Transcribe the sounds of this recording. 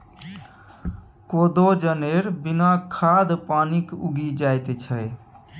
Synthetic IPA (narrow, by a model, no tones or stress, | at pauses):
kod̪od͡ʒəneɾbinakʰad̪panikṵɡid͡ʒajt̪t͡ʃʰə